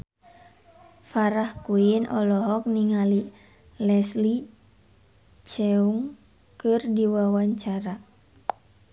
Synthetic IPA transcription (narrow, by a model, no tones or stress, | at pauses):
faɾahkuinʔɔlɔɦɔk̚niŋali | lɛsli | t͡ʃɛuŋ | kɨrdiwawaɲt͡ʃaɾa